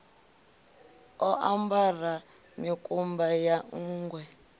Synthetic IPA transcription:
ɔʔambara | mikʼumbajaŋ̩ːɡwɛ

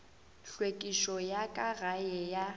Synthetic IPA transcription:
ɬwekʼiʃɔjakʼarajɛja

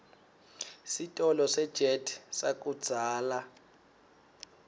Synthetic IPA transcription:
sitʼɔlɔsɛd̥ʒ̥ʱedsak̬ʼud̥z̥ʱaːla

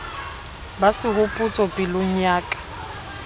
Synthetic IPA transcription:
basɪɦʊpʼut͡sʼɔpʼɪlʊɲ̩jaːkʼḁ

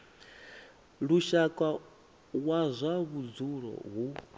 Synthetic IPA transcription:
ɺuʃakʼa | wazʷaβud͡zuɺɔ̰ɦu

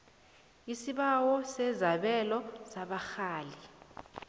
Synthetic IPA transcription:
isiɓawɔsɛzaɓɛlɔsaɓaxaːli

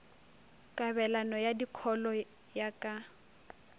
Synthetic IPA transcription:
kʼaβɛlanɔjadikʰɔlɔ | jakʼa

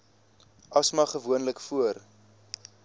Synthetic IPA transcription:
ʔɐsmɐχəvuənləkfuər

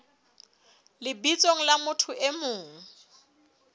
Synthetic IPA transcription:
lɪbit͡sʼoŋ̩lamʊtʰʊʔemʊːŋ̩

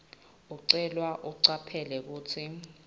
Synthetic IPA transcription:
uǀɛlwaʔuǀapʰɛlɛk̬uːt͡sʰi

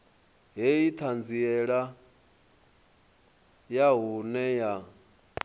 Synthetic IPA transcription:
ɦɛjit̪ʰand͡ziɛɺa | jaɦunɛja

